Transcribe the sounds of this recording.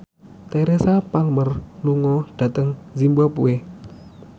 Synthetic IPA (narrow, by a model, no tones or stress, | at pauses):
t̪eɾesapalmərluŋɔd̥ä̤t̪əŋzimbapṵe